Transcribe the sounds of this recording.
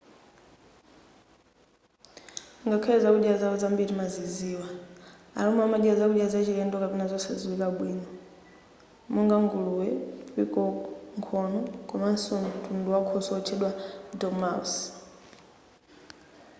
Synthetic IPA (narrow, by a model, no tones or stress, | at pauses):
ŋɡakʰɛɛzakuɗiazaɔzambiɾimaziziːwa | a̰ɾɔmuamaɗiazakuɗiazat͡ʃiɾɛndɔkapɛnazɔsɛziwikaɓwiːnɔ | muŋɡaŋɡuluwɛpikɔŋkʰɔnɔkɔmansɔn̩tʰunduwakʰɔsɔɔt͡ʃʰɛɗwadɔmaus